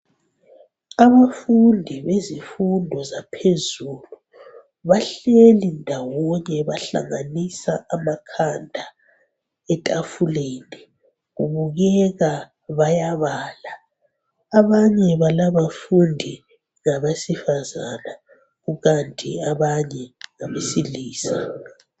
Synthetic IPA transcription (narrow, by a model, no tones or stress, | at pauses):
aβafundʱiβezifundʱɔzapʰezuːlu | βaɬelindʱawɔɲɛβaɬa̰ŋanisaʔamakʰandʱa | ɛtʼafuleni | ɣuβuɣɛɣa | βajaβaːla | aβaɲɛβalaβafundʱi | ŋaβasifazana | ɣuɣantʼiaβaɲɛŋaβesiliːsa